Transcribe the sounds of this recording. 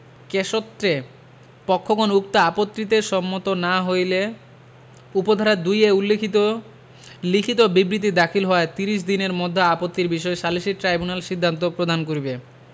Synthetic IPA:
keʃot̪ːɾe | pɔkʰːokonuk̚t̪aapot̪ːɾit̪eʃɔmːot̪onaɦojle | upod̪ʱaɾad̪ujeulːekʰit̪o | likʰit̪obibɾit̪̬id̪akʰilɦɔaet̪iɾiʃ̬d̪ineɾmɔd̪ʱːaapot̪ːiɾbiʃɔeʃaliʃiʈɾajbunalʃid̪ʱːant̪̬opɾod̪ʱankoɾibe

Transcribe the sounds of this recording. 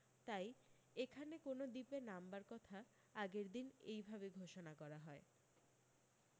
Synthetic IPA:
t̪aj | ekʰanekonod̪ipenambaɾkɔt̪ʰa | aɡeɾd̪inejbʱabeɡʱoʃonakɔɾaɦɔe

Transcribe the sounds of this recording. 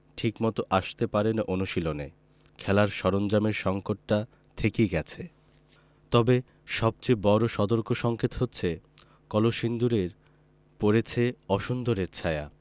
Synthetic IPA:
ʈʰikmɔt̪oʔaʃt̪epaɾenʔonuʃilone | kʰɛlaɾʃɔɾond͡ʑameɾʃɔŋkoʈːa | t̪ʰekijɡɛt͡ɕʰe | t̪ɔbe | ʃɔb̚t͡ɕebɔɾoʃɔd̪oɾkoʃɔŋkʰet̪ɦotːɕʰe | kɔloʃind̪uɾeɾ | poɾet͡ɕʰeɔʃund̪oɾeɾt͡ɕʰaea̰

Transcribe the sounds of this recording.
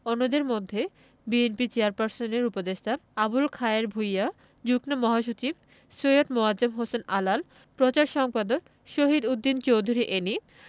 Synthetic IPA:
onːod̪eɾmod̪ʱːe | bienpit͡ɕeaɾpaɾsoneɾupod̪eʃt̪ʰaabulkʰaeɾbʱuja | d͡ʑuknomɔɦaʃ̬ut͡ɕib̚ | sojoʈmoad͡ʑemɦosenalal | pɾot͡ɕaɾʃɔŋpad̪ok | ʃoɦid̪ud̪ːint͡ɕowd̪ʱuɾiʔeni

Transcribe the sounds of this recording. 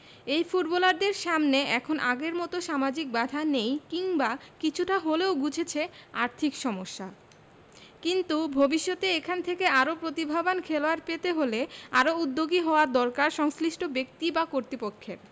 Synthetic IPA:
ejfuʈbɔlaɾdeɾʃamneɛkʰonʔaɡeɾmɔt̪oʃamad͡ʑik̚bad̪ʱanejkiŋbakit͡ɕʰuʈaɦoleoɡud͡ʑʱʰet͡ɕʰeaɾt̪ʰikʃɔmoʃːa | kint̪ubʱobiʃːot̪eekʰant̪ʰekeaɾopɾot̪ibʱabankʰeloaɾpet̪eɦoleaɾoud̪ːoɡiɦɔoad̪ɔɾkaɾʃɔŋsliʃʈobek̚t̪ibakoɾt̪ɾipokʰːeɾ

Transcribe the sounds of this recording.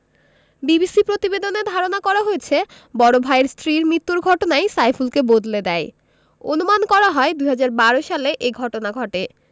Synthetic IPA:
bibisipɾot̪ibed̪oned̪ʱaɾonakɔɾaɦoet͡ɕʰe | bɔɾobʱaeɾst̪ɾiɾmɾit̪ːuɾɡʱɔʈonajsajfulkebod̪led̪ɛe | onumankɔɾaɦɔed̪uɦad͡ʑaɾbaɾoʃaleʔeɡʱɔʈonaɡʱɔʈe

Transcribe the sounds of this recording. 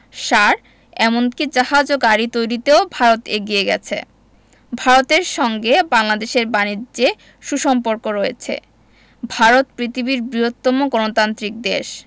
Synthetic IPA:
ʃaɾ | ɛmonkid͡ʑaɦad͡ʑoɡaɾit̪ojɾit̪eobʱaɾot̪eɡieɡɛ̰t͡ɕʰḛ | bʱaɾot̪eɾʃɔŋɡebaŋlad̪eʃeɾbanid͡ʑe | ʃuʃɔmpoɾkoɾɔjet͡ɕʰḛ | bʱaɾot̪pɾit̪ʰibiɾbɾiot̪ːɔmoɡɔnot̪ant̪ɾik̚d̪eʃ

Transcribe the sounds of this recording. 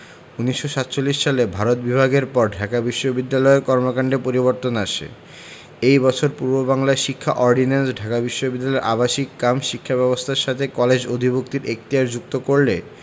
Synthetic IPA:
uniʃːoʃat̪t͡ɕolːiʃːalebʱaɾot̪̚bibʱaɡeɾpɔɾɖʱakabiʃːobid̪ːalɔekɔɾmokaɳɖepoɾiβoɾt̪onaʃḛ | ejbɔt͡ɕʰoɾpuɾbobaŋlaeʃikʰːa̰ʔɔɾɖinansɖʱakabiʃːobid̪ːalɔeɾʔabaʃikːamʃikʰːabɛβost̪ʰaɾʃat̪ʰekɔled͡ʑod̪ʱibuk̚t̪iɾek̚t̪ijaɾd͡ʑuk̚t̪okoɾle

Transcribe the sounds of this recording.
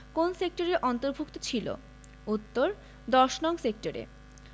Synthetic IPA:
konsek̚ʈoɾeɾʔɔnt̪oɾbʱukt̪ot͡ɕʰilo̰ | ut̪ːoɾ | d̪ɔʃnɔŋsek̚ʈoɾḛ

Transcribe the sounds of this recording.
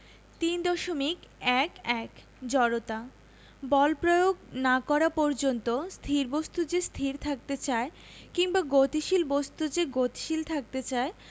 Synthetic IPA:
t̪ind̪ɔʃomikɛkɛk | d͡ʑɔɾot̪a | bɔlpɾojoɡnakɔɾapɔɾd͡ʑont̪ost̪ʰiɾbost̪ud͡ʑest̪ʰiɾt̪ʰak̚t̪et͡ɕae | kiŋbaɡot̪iʃilbost̪ud͡ʑeɡot̪i̥ʃilt̪ʰak̚t̪et͡ɕae

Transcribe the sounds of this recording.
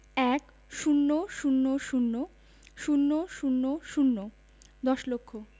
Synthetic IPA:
ɛk | ʃunːoʃunːoʃunːo | ʃunːoʃunːoʃunːo | d̪ɔʃlokʰːo

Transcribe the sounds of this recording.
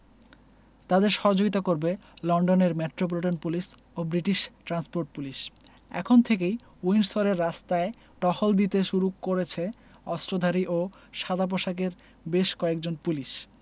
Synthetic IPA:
t̪ad̪eɾʃɔɦod͡ʑoɡit̪akoɾbelɔɳɖoneɾmeʈɾopoliʈanpulis | obɾiʈiʃʈɾanspoɾʈ̚puliʃ | ɛ̰kʰont̪ʰekej | uinsoɾeɾːast̪ae | ʈɔhold̪it̪eʃuɾukːoɾet͡ɕʰe | ɔsʈɾod̪ʱaɾiʔo | ʃad̪ʱap̬oʃakeɾ | beʃkɔek̚d͡ʑonpuliʃ

